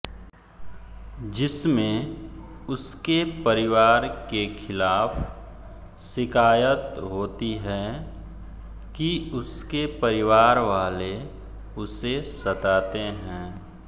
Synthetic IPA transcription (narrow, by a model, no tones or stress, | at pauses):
d͡ʒɪsmẽ | ʊskepəɾɪʋaːɾkekʰɪlaːf | sɪkaːjət̪ɦoːt̪iɦɛ̃ː | kiʊskepəɾɪʋaːɾʋaːle | ʊsesɐt̪aːt̪eɦɛ̃ː